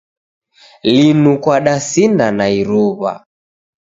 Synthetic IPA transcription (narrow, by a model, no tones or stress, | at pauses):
linukwaɗasinanaiɾuβa̰